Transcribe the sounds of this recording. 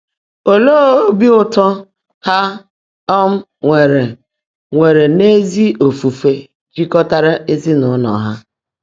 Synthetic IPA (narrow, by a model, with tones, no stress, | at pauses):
o˨lo˦bi˦ʊ˦tɔ˦ | ha˦ | ɔ˦m̩˦ | ŋʷe˨ɾe˨ | ŋʷe˨ɾe˨ne˦zi˦o˨fu˨fe˨ | d͡ʒi˦kɔ˦ta˦ɾa˦e˦zi˦nʊ˨˦nɔ̰˨ɦa˦